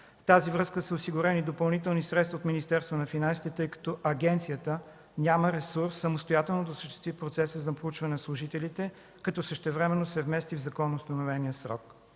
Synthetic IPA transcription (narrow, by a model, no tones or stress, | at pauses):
ft̪azivɾɤskəsəosiɡʊɾɛnid̪opɐlˠnit̪ɛlˠnisɾɛt̪st̪vɐot̪minist̪ɛɾst̪vɐnɐfinansi̥t̪ɛt̪ɤjkɐ̥t̪ɔʔɐɡɛnt̪sijət̪ə | nʲaməɾɛsuɾsːəmost̪ojat̪ɛlˠnod̪ɐsəʃt̪ɛ̥st̪vipɾot̪sɛsəzɐpɾout͡ʃvɐnɛnɐslˠʊʒit̪ɛlit̪ɛ | kɐt̪ɔsəʃt̪ɛvɾɛmɛnːosɛvmɛst̪ivzɐkɔnoːst̪ɐnovɛnijəsɾɔ̰k